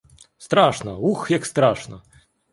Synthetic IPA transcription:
st̪ɾaʂnɐuxjakst̪ɾaʂnɐ̰

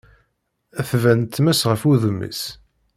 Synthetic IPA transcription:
æθvænt̪ːmæsʁəfuðəmːḭs

